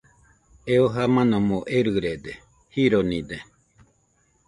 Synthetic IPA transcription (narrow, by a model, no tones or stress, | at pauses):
eoɦamãnãmoʔeɾɨɾed̪e | hiɾonĩd̪e